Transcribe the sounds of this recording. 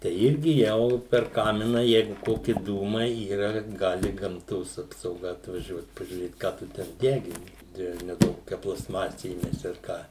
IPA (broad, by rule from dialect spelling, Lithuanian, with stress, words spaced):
tʲɛɪ ˈɪrʲɡʲɪ ˈjɛʊ pʲɛr ˈkɑːmʲɪnɐ ˈjɛɪɡʊ ˈkoːkʲɪ ˈduːmɐɪ ˈiːrɐ ˈɡɑːlʲɪ ɡɐmˈtoːs ɐpsɐʊˈɡɐ ɐtʋɐˈʒʲuɔt pɐʒʲuːˈrʲeːt ˈkɑː tʊ ˈtʲɛn ˈdʲæːɡʲɪnʲɪ ˈdʲiɛʋʲɛ nʲɛˈduɔk ˈkoːkʲɛ plˠɐsˈmɑːsʲɛ iːˈmʲæːsʲɪ ɐr ˈkɑː